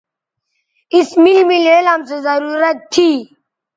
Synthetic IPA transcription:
ismilmileːlamsezɐɾuɾɐt̪t̪ʰːi

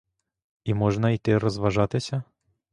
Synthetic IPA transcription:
imɔʒnɐit̪ɪɾɔzʋɐʒɑt̪ɪsʲɐ

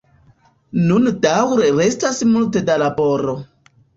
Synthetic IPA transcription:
nundawɾeɾe̞stasmulte̞dalabo̞ɾo̞

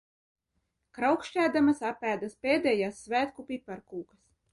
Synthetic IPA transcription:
kɾawkʃcʲæːd̪amasapːæːd̪aspʲeːd̪ʲɛːjaːsːvæːt̪kupʲipaɾkuːkas

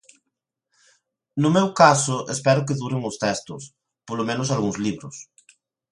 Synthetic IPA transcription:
nʊmewkasʊʔespɛɾʊk̬eðuɾeŋʊst̪ɛst̪ʊs | polomẽnosalɣuŋzliβɾʊs

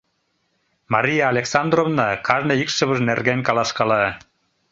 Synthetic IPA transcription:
mɑɾʲijaːlʲeksɑnd̪rovnɑkʰɑʒneikʃɨβəʒnerɡenʲkɑlˠɑʃkɑlɑ

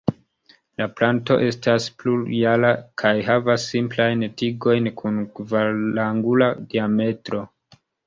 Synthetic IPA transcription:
laplanto̞̰ʔe̞staspluɾjalakʰajɦavasːimplajntiɡo̞jnkʰunkvaaŋɡuladiame̞tɾo̞

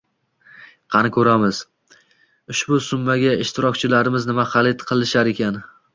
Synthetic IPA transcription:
qʰɑnɪkʰʲɵɾamɪz̥ | ʊʃbʊsʊmːaɡʲaɪʃt̪ʰɪɾɒkʲt͡ʃʰɪlaɾɪmɪznɪmaχɑlˠɪt̪qʰɨlˠɪʃaɾe̞kʲʰan

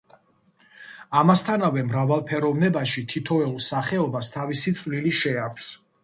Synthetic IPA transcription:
amast̪ʰanavɛmɾavalˠpʰɛɾɔvnɛbaʃit̪ʰit̪ʰɔɛulˠsaχɛɔbast̪ʰavisit̪sʼvliliʃɛakʰʷs

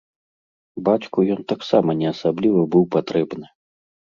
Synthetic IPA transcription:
bat͡sʲkujɔnt̪aksamɐnʲɛasablʲivɐbɨwpat̪ɾɛbnɨ

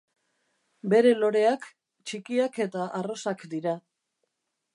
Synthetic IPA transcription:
be̞ɾe̞lo̞ɾe̞ak | t͡ʃikiake̞t̪aʔaro̞sakd̪iɾa

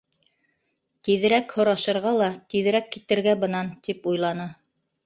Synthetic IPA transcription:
t̪iðɘ̆ɾækhŏɾɑʃɤ̆ɾʁɑlˠɑt̪iðɘ̆ɾækːit̪ɘ̆ɾɡæbɤ̆nɑnt̪ipujlˠɑnɤ

